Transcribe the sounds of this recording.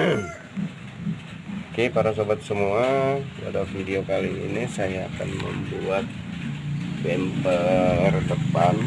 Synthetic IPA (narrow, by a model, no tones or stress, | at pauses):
kepaɾasobat̪̚səmuawa̰dafidiokalḭːnisaja̰ːka̰nmə̰mbuat̪̚ | bɛmpərd̪əpan